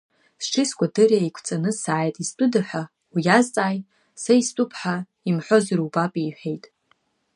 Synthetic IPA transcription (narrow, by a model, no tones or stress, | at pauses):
sʈ͡ʂʰɪskʷʰʼadɨraejkʷʰt͡sʼanɨsaːjtʼist͡pʼʊdɨħʷᶣa | wijazt͡sʼaːjʼ | saist͡pʷʼʊpʰħa | imħʷo̞zɨrubapʼiːħʷᶣe̞jtʼ